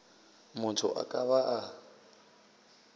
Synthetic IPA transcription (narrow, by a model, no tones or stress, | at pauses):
mʊtʰʊ̰ʔa̰kʼaβaʔa